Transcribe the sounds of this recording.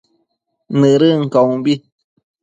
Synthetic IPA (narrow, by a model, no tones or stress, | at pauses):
nɨ̃ɾɨŋ̩kaũbi